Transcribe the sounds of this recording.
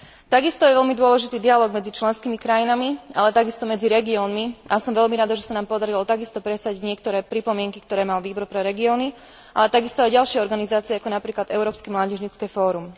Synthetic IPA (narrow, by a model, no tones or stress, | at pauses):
t̪aɡist̪ɔjɛʋɛʎmid̪ʊɔlɛʒit̪iːd̪ialɔːɡmɛd͡zit͡ʃlɛnskimikɾajinamialɛt̪aɡist̪ɔmɛd͡ziɾɛɡiɔːnmiasɔmʋɛʎmiɾad̪aʒɛsanaːmpɔd̪aɾilɔt̪aɡist̪ɔpɾɛsaɟɲɪɛkt̪ɔɾɛːpɾipɔmɪɛŋkikt̪ɔɾɛːmalʋiːbɔɾpɾɛɾɛɡiɔːni | ʔa̰lɛt̪aɡist̪ɔajɟalʃɪɛɔɾɡanizaːt͡siɛakɔnapɾiːklad̪ɛʊɾɔːpskimlaːɟɛʒɲit͡skɛːfɔːɾum